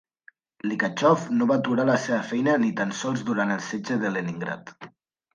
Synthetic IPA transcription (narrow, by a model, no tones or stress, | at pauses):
likat͡ʃɔfnoβaːt̪uɾaləseβəfɛjnənit̪ansɔlˠzðuɾanəlˠsed͡ʒəðəleniŋɡɾa̰t̪